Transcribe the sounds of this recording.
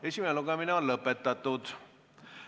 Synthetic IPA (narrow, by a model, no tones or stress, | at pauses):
e̞sʲimeeluɡɑmineonlɤpːˑet̪ːɑt̪ːˑud̪̥